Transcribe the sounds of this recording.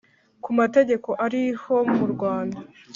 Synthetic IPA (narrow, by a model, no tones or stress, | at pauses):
kumate̞ɟe̞ko̞ʔaɾiho̞muɾɡwaːnda